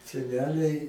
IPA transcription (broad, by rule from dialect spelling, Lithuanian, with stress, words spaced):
sʲɛˈnʲæːlʲɛɪ